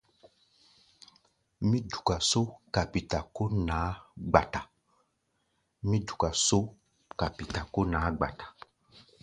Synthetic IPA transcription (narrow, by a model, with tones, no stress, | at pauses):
mĩ˦du˨ka˨so˦ka˨pi˨ta˨ko˦nã˨˦ɡ͡ba˨ta˨ | mĩ˦du̥˨ka˨so˦ | ka˨pi˨ta˨ko˦nã˨˦ɡ͡ba˨tḁ˨